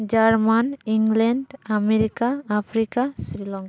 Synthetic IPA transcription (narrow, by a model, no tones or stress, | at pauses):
d͡ʒaɾmaniŋɡlɛɳɖameɾikaːpʰɾikasɾilɔŋk